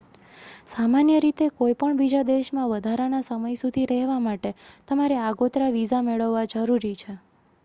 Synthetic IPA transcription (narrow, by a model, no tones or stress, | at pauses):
samanjəɾit̪ekojpəɳbid͡ʒad̪eʃmãʋəd̪ʱaɾanasəməjsud̪ʱiɾɛɦʋamaʈet̪əmaɾeaɡot̪ɾaʋizameɭəʋːad͡ʒəɾuɾit͡ʃʰe